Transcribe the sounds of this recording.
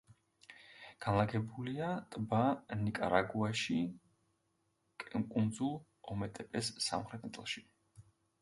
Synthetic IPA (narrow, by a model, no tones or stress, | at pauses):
ɡ̥anlˠaɡɛbuliat̪ʼbanikʼa̰ɾa̰ɡuaʃi | kʼkʼund̪zulˠ | ɔmɛt̪ʼɛpʼɛsːa̰mχɾɛt̪ʰnt̪sʼlˠʃi̥